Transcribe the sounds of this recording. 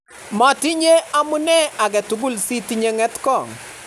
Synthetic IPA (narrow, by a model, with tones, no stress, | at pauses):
mɔ˨ti˦ɲe˦a˦mu˦nɛ˦a˨k̬ɛ˨tu˨k̬ʊ˦lsi˦ti˦ɲe˦ŋɛ˦tkɔ˦˨ŋ